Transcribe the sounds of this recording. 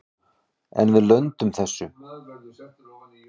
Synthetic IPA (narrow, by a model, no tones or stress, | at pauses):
ɛ̰nvɪðlœɥnt̪ʏmθɛsːʏ